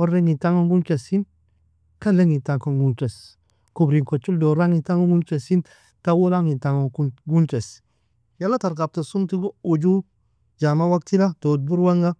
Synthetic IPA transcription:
woɾeŋitaŋoŋɡunt͡ʃesin | kaleŋitaŋkoŋɡunt͡ʃes | kubɾiŋkot͡ʃːuldoɾaŋitaŋoŋɡut͡ʃesin | tawoɾaŋitaŋokuɡunt͡ʃes | jalːataɾkap̚tasumtiɡud͡ʒu | d͡ʒamawak̚tiɾadod̚buɾwaŋɡa

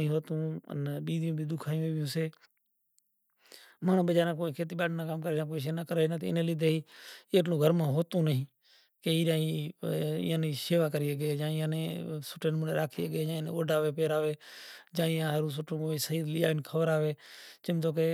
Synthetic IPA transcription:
ĩːɦoːt̪ũːə̰nɓiːd̪jũːbʱiːd̪ʊkʰaːjũːeːʋɪjũːseː | maːɳ̤ũːɓəd͡ʒaːɾãːk̬oːĩːkʰeːt̪̬iːɓaːɖnãːkaːmkəɾeːãːk̬oːiːʃ̬eːnakəɾeːnãt̪ːɪ̰nẽːlid̪ʱeːiːəʈlõːɡʱəɾmãːɦoːt̪ũːnəɦĩː | keːiːɗaːiː | ɪ̰ːãːniːseːʋaːkəɾiːəɡeːd͡ʒãːɪjãːnẽːsʊʈʰeːnmũːnḛːɾaːkʰiːəɡeːd͡ʒãːnḛ̃ːoːɖaːʋeːpeːɾaːʋeːd͡ʒãːɪjãːɦəɾũːs̬ʊʈʰõːkoːĩːsəɦiːd̪lɪjaːɪnkʰəʋəɾaːʋeːt͡ʃəmt̪oːk̬eː

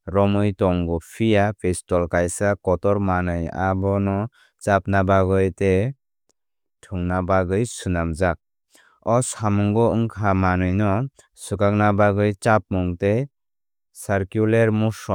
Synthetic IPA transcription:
ɾɔmɯjtɔŋɡɔpʰijapʰestɔlkajsakɔtɔɾmanɯja̰bɔnɔ | t͡ʃap̚nabaɡɯjte | tʰuŋnabaɡɯjsunamzak̚ | ɔsamɔŋɡɔɯŋkʰamanɯjnɔ | sukak̚nabaɡɯjt͡ʃap̚muŋte | saɾkjuleɾmusɔ

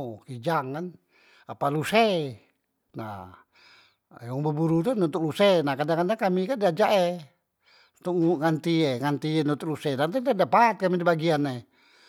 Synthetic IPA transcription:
kid͡ʒaŋkan | apaluse | na̰ | jɔŋbəbuɾut̪ununt̪uk̚lusenahkadaŋkadaŋkamikadiad͡ʒaʔe | unt̪uk̚ŋŋant̪ieŋant̪ienunt̪uk̚lusedat̪idadapat̪̚kamidibaɡiane

